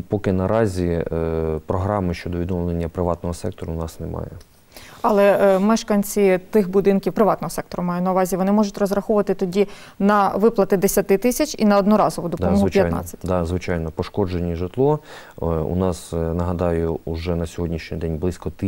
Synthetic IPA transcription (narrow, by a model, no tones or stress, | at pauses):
pɔkɪnɐɾɑzʲi | pɾɔɦɾɑmɪʃt͡ʃɔd̪ɔʋʲid̪ɔmlˠenʲːɐpɾɪʋɑt̪nɔɦɔsɛk̚t̪ɔɾʊnɑsnemɑ̰jɛ | ɐlˠɛmɛʃkɐnʲt͡sʲit̪ɪxbʊd̪ɪnkʲiwpɾɪʋɑt̪nɔɦɔsɛk̚t̪ɔɾʊmɑjʊtʲnɐuʋɑzʲiʋɔnɪmɔʒʊtʲrɔzrɐxuʊʋɐt̪ɪt̪ɔdʲi | nɐʋɪplˠɐt̪ɪd̪esʲɐt̪ɪt̪ɪsʲɐt͡ʃʲinɐɔd̪nɔɾɑzɔʋʊd̪ɔd̪ɔmjɐtjnɑ̰t͡sʲːɐ̥tʲd̪ɑzʋɪt͡ʃɑjnɔpɔʃkɔd͡ʒenʲːiʒɪt̪lˠɔ | ṵnɑsnɐɦɐd̪ɑjʊːʒɛnɐsʲɔɦɔdʲnʲiʃnʲid̪ɛnʲblˠɪsʲkɔt̪